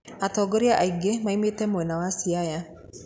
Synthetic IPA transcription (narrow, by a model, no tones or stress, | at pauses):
at̪ɔɡɔɾiaʔaiɡemaimet̪ɛmoɛnawasiaja